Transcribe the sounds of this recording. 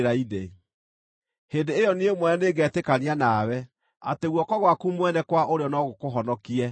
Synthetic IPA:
ɾaide | hendeːjɔniemwɛɛneɡɛːtekanianaːwɛ | a̰teɣwɔkɔɣwakumwɛnɛkwaʔoɾeɔnɔɣokoɦɔnɔkiɛ

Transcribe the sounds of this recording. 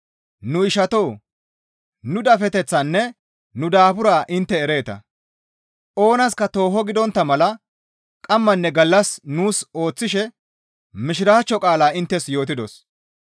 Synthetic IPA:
nʊɪʃɐt̪o̞ː | nʊd̪ɐfɛt̪ɛt͡sːɐnːɛ | nʊd̪aːpʊɾaːʔɪnt̪ːɛːɾe̞ːt̪ɐ̰ | ʔo̞ːnɐskɐt̪o̞ːɦɔɡɪd̪ɔnt̪ːɐmɐlɐ | kʼɐmːɐnːɛɡɐlːɐsnuːso̞ːt͡sːɪʃɛ | mɪʃɪɾaːt͡ʃːɔkʼaːlaːɪnt̪ːɛsjo̞ːt̪̬ɪd̪ɔs

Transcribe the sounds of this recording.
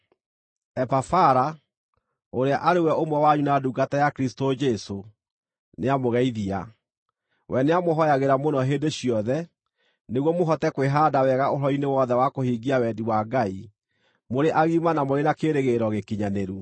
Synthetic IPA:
ɛpafaɾa | oɾeaʔaɾewɛomwɛwaɲunaduɡatajakɾistod͡ʒɛso | neamoɣɛiðia̰ | wʔɛneamoɦɔjaɣeɾamonɔɦeːndeɕiɔðɛ | neɣwɔmoɦɔtɛkweɦaːdawɛɣaoɾɔinewɔðɛwakohiɡiawɛdiwaɡai | moɾeʔaɣimanamoɾenakeɾeɣeɾɔɣekiɲaneɾu

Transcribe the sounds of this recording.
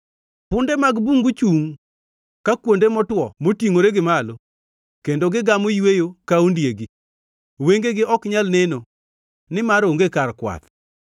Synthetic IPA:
pʊndɛmaɡbuŋɡut͡ʃuŋ | kakwondemɔtwɔmotiŋoɾeɡɪmalo | kendoɡɪɡamojwejokaundjeɡi | weŋɡeɡɪʔɔkɲalneno | nɪmaɾoŋɡekarkwa̰t̪

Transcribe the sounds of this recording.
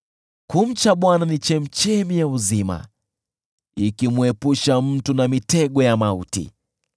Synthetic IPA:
kum̩t͡ʃaɓwananit͡ʃɛm̩t͡ʃɛmijauzima̰ | ikimwɛpuʃam̩tunamitɛɠɔjamautḭ

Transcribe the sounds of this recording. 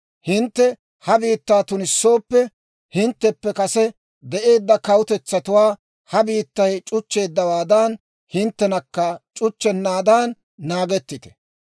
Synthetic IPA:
hɪnt̪ːɛ | hɐbiːt̪ːaːt̪ʊnɪsːo̞ːpːɛ | hɪnt̪ːɛpːɛkɐsɛ | d̪ɛʔe̞ːd̪ːɐkɐwʊt̪ɛt͡sːɐt̪ʊwaː | hɐbiːt̪ːɐjt͡ʃʼʊt͡ʃːe̞ːd̪ːɐwaːd̪aːn | hɪnt̪ːɛnɐkːɐt͡ʃʼʊt͡ʃːɛnːaːd̪aːnː | aːɡɛt̪ːɪt̪ɛ̥

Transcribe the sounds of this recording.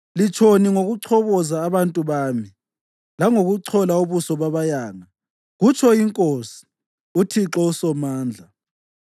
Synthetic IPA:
lit͡ʃʰoniŋoɣuǀʰɔβɔzaːβantʼuβaːmi | laŋoɣuǀʰɔlauβusɔβaβajaːŋa | ɣut͡ʃʰɔiŋkʼoːsi̥ | utʰiǁɔusɔmaːnd͡ɮʱa

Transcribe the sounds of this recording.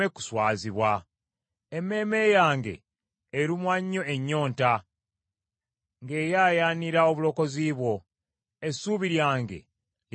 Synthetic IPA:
eku̥swaːziβwa | eme̞ːme̞jaːŋɡe̞̰ː | ɾimwaɲːo̞eɲːo̞ːnta | ŋɡe̞ːjaːjaːniɾao̞βulo̞ko̞ziːβwo̞ | esuβiɾjaːŋɡe̞̰ | j

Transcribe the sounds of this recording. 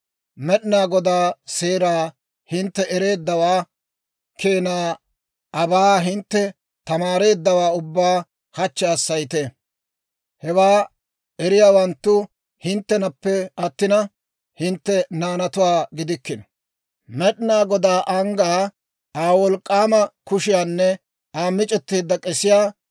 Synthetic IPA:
mɛɗnaːɡɔd̪aːseːɾaː | hɪnt̪ːɛɛɾe̞ːd̪ːɐwaː | kʰeːnaː | ʔɐbaːɦɪnt̪ːɛ | t̪ɐmaːɾe̞ːd̪ːɐwaːʊbːaː | hɐt͡ʃːɛɐsːɐjt̪e | hɛwaː | ɛɾɪjaːwɐnt̪ːʊ | hɪnt̪ːɛnɐpːɛɐt̪ːɪnɐ | hɪnt̪ːɛnaːnɐt̪ʊwaːɡɪd̪ɪkːɪnɐ̥ | mɛɗɪnaːɡɔd̪aːʔɐŋɡaː | aːwɔlkʼːaːmɐkʊʃɪjaːnːɛ | aːmːɪt͡ʃʼɛt̪ːeːd̪ːɐkʼɛsɪjaː

